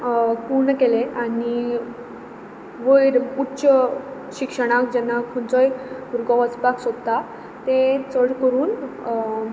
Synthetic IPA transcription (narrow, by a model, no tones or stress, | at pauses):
puɾɳkeleani | ʋəjɾutːɕə | ɕikʂəɽ̃akd͡ʑɛnːakʰɔnt͡sɔjuɾɡɔət͡spaksod̪t̪a | t̪et͡səɽkəɾuːn